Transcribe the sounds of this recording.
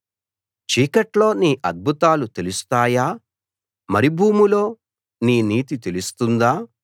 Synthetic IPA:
t͡ʃiːkɐʈlo̞ːniːʔɐd̪̚bʱut̪aːlut̪e̞lust̪aːjaː | mɐɾibʱuːmulo̞ː | niːniːt̪it̪e̞lust̪und̪aː

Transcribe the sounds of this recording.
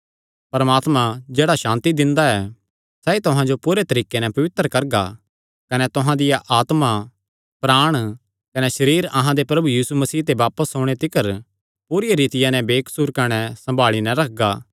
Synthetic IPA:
pɐɾmaːt̪mãd͡ʒeːɽaʃãːnt̪id̪ɪ̃nd̪aɛː | sɛːit̪ʊɦãd͡ʒopuːɾet̪ɐɾiːkːenɛ̃pɐʋɪt̪ːəɾkɐɾɡa̰ | kɐnɛt̪ʊɦãd̪ɪjaʔaːt̪ma | pɾaːɽ̃ | kɐnɛʃɐɾiːɾɐɦãd̪epɾɐbujiːsumɐsiːt̪eʋaːpəsoːɽ̃et̪ɪkəɾ | puːɾɪjaɾiːt̪ɪjãnɛ̃beːksuɾkɐɽ̃ɛsɐ̃mbʱaːɭinɛɾɐk̚ʰɡaː

